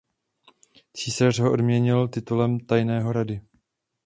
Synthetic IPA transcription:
t͡siːsar̝ɦoʔodmɲɛɲɪlt̪ɪt̪ulɛmt̪ajnɛːɦo̞ɾadɪ

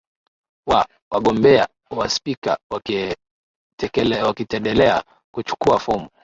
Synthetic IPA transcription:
wa | waɠɔmbɛa | waspika̰wa | wakitɛndɛlɛa̰ | kut͡ʃu̥kuafɔmu

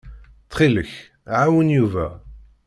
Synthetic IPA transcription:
t̪χiləç | ʕawənjuvæ̰

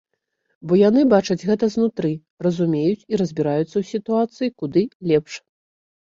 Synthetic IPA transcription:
bɔjanɨbat͡ʂɐd͡zʲɣɛt̪ɐznut̪ɾɨ | rɐzumʲejut͡sʲiɾɐzʲbʲiɾajut̪sːɐwsʲit̪uat̪sɨjikud̪ɨlʲɛpʂ

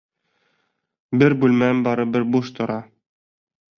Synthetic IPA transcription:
bɘɾbʉlmæmbɒɾɤbɘɾbuʃt̪ŏɾɑ

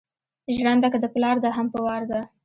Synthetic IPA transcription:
ʒɽand̪akəd̪əplɑɾd̪aɦampəwɑɾd̪a

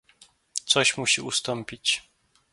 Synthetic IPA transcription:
t̪sɔɕmuɕiust̪ɔmpʲit͡ɕ

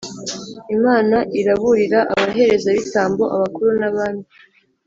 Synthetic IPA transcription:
imaːnaʔiɾaβuɾiɾaʔaβaɦe̞ɾe̞zaβitaːmbo̞ʔaβakuɾunaβaːndi

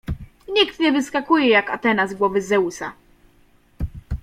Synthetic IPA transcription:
ɲikt̪ɲɛvɘskakujɛjakat̪ɛnazɡwɔvɘzɛusa̰

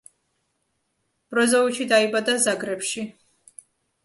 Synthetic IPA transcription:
b̥ɾɔzɔit͡ʃid̪aibad̪azaɡɾɛpʃi

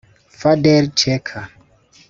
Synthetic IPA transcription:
fadɛɾt͡ʃɛkʰa

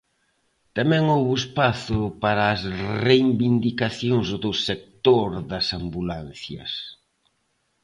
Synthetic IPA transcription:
t̪amɛŋowβʊespaθʊpaɾɐːsrejmbind̪ikaθjoŋzd̪ʊsek̚t̪oɾðɐsambulan̟θjɐ̰s

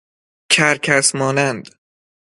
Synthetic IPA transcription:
cʰæɾkʰæsmɒːnænd̪

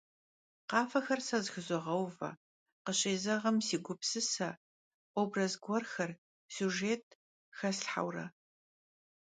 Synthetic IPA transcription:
qɑːfɐxɐrsɐzxɨzɨʁɐwvɐ̰ | qəɕʼeːzɐʁɐmsiːɡʷʊpsɨsɐ | oːbrɐzɡʷɔrxɐr | suʒeːtʰ | xɐsɬħa̰wrɐ̰

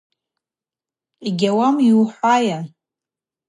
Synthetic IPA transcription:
iɡʲawamiwħʷaja

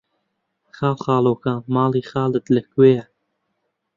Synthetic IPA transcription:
χɑːwχɑːloːkamɑːliːxɑːlət̪ləkweːja

